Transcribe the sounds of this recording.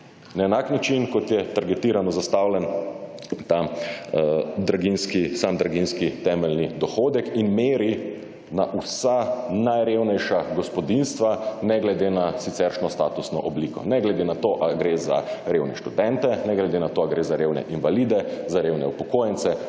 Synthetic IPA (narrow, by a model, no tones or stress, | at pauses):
naɛnaknat͡ʃinkɔt̪jɛt̪aɾɡɛt̪iːɾanɔzast̪awlɛn | t̪a | d̪ɾaɡinskisamd̪ɾaɡinskit̪ɛmɛlnid̪ɔxoːd̪ɛkinmeːɾi | naʔusanajɾewnɛjʃaɡɔspɔd̪inst̪ʋanɛɡlɛd̪enasit̪sɛɾʃnɔst̪aːt̪usnɔʔɔbliːkɔ̰nɛɡlɛd̪enat̪oːʔaɡɾeza̰ɾewnɛ̰ʃt̪ud̪ɛnt̪ɛnɛɡlɛd̪enat̪oːaɡɾeːzaɾeːwnɛ̰ʔinʋaliːd̪ɛzaɾewnɛ̰upɔkoːjɛnt̪sɛ